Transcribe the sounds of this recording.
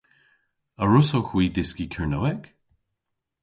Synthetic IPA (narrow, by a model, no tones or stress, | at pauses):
əɹʊsoxwiːdɪskikʰɛɹnowɛk